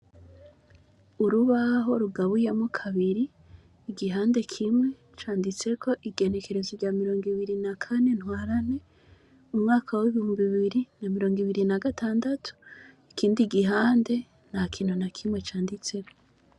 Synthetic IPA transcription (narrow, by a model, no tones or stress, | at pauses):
uɾuβaɦo̞ɾuɡaβujemukʰaβiɾiː | ɡiɦaːnde̞kʰimwe̞ | t͡ʃaːndit͡se̞kʰo̞ʔiɡe̞ne̞ke̞ɾe̞zivɟaːmiɾo̞ːŋɡiβiɾinakʰane̞n̥hwaːɾane̞ | umŋaːkʰawiβihumbiβiɾinamiɾo̞ːŋɡiβiɾinaɡatʰaːndatʰu̥ikʰiːndiɡiɦaːnde̞ | n̥hakʰiːnhunakʰimwet͡ʃaːndit͡se̞ko